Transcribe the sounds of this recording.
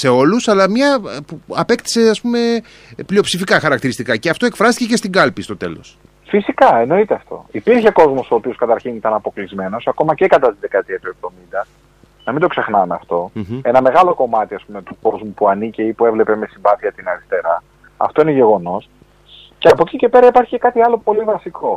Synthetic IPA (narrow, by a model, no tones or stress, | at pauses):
se̞o̞lusɐlɐmɲɐpuɐpe̞kt̪i̥se̞ɐspume̞ | plio̞psifikɐxɐɾɐkt̪iɾist̪ikɐceɐft̪o̞e̞kfɾɐst̪icece̞st̪iŋɡɐlpist̪o̞t̪e̞̰lo̞̰s | fisikɐeno̞it̪eɐft̪o̞̰ipiɾçe̞ko̞zmo̞so̞ːpio̞skɐt̪ɐɾçinit̪ɐnɐpo̞klizme̞no̞sɐko̞mɐcekɐt̪ɐt̪izðe̞kɐt̪iɐt̪ue̞vðo̞mind̪ɐ | nɐmind̪oksexnɐmeɐft̪o̞e̞nɐme̞ɣɐlo̞ko̞mɐt̪iɐspume̞t̪uko̞zmupuɐniceipue̞vle̞pe̞me̞sibɐθiɐt̪inɐɾist̪e̞ɾɐ | ɐ̰ft̪o̞ineʝe̞ɣo̞no̞s | ceɐpo̞cice̞pe̞ɾɐipɐɾçicekɐt̪iɐlo̞po̞livɐsikʰo̞